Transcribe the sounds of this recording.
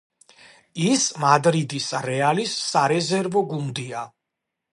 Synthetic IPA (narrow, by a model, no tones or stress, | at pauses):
ismad̪ɾid̪isaɾɛalisːaɾɛzɛɾvɔɡund̪ia